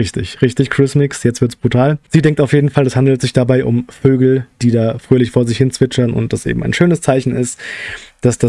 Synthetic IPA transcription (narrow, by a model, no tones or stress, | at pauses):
ʁɪçtɪçʁɪçtɪçkʰʁ̥ɪsmɪksjɛt͡stv̥ɪɐtsb̥ʁutʰaːlz̥iːdɛŋk̚taʊfjeːdn̩falɛshandl̩tz̥ɪçd̥abaɪʔʊ̰mføːɡl̩d̥iːdaːfʁ̥øːlɪçfoːɐzɪçhɪnt͡sv̥ɪt͡ʃɐnʔʊ̰nt̚d̥asʔḛːbm̩aɪnʃøːnəst͡saɪçn̩ɪstd̥asd̥a